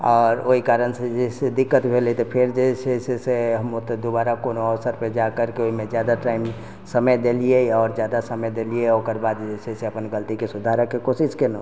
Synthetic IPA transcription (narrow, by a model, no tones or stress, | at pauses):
ɔːɾoɦikaɾənsed͡ʒɛsed̪ikːət̪bʱelit̪ɔpʰeɾd͡ʒeseseseɦəmot̪ɔd̪obaɾakonoəʋsəɾped͡ʒakəɾkeoimed͡ʒjad̪aʈaim | səməjd̪elijeɔːɾd͡ʒjad̪asəməjd̪elieokəɾbad̪d͡ʒeseseəpənɡəlt̪ikesud̪ʱaɾəkːekosiskenə